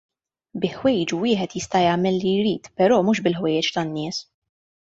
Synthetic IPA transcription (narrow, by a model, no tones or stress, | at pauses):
bɪħwɛjd͡ʒuwɪːħɛt̪jɪst̪ɐjɐːmɛlːijɾiːt̪pɛɾɔːmuːʃbɪlħwɛjɛt͡ʃt̪ɐnːɪːs